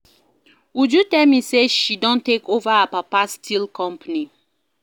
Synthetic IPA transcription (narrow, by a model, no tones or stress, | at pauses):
ud͡ʒutɛmiseʃidɔ̃ntekovəːpapastʰilkʰɔ̃mpəni